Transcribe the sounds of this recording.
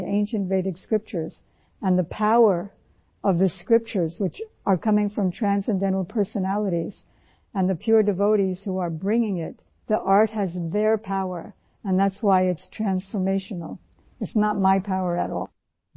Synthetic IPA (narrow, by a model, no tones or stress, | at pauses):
ʔẽɪ̃nʃɨ̃ntveɪɾɨkskɹɪp̚t͡ʃə˞z̥ | ɨ̃nðɨpʰaʊə˞ | ʌvðɨskɹɪp̚t͡ʃə˞zwɨt͡ʃ | ə˞kʰʌmɪ̃ŋfɹʌ̃mtʰɹ̥æ̃nsɨ̃ndɛ̃ɾ̃l̩ˠpʰɜ˞sɨnælˠəɾiz̥ | ɨ̃nðɨpʰj̥ʊɹdɨvoʊɾiz̥huə˞bɹɪ̃ŋɪ̃ŋɪt̪̚ | ðiʔɑɹt̚hɨzðə˞pʰaʊə̰˞ | ɨ̃nðætswaɪɨtstʰɹ̥æ̃nsfə˞meɪʃnl̩ˠ | ɨtsnət̚maɪpʰaʊə˞ɨɾɔ̰